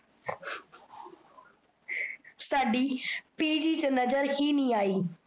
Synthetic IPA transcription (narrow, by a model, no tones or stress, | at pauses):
saːɖipiːd͡ʑit͡ɕnɐzəɾhiːnĩaːiː